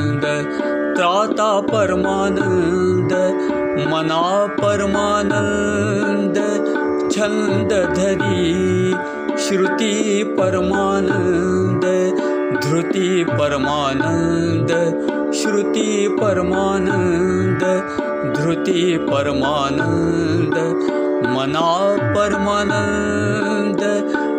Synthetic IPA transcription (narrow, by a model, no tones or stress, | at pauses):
nd̪ | t̪ɾaːt̪aːpɐɾmaːnɐnd̪ | mɐnaːpɐɾmaːnɐn | nd̪ | t͡ʃʰɐ̃nd̪ɐd̪ʱɐɾi | ʃɾut̪ipɐɾmaːnɐn | nd̪ɐ | d̪ʱɾut̪ipɐɾɐmaːnɐn | d̪ | ʃɾut̪ipɐɾmaːnɐnnd̪ | d̪ʱɾut̪ipɐɾɐmaːnɐnd̪ | mɐnaːpɐɾmaːnɐn | nnd̪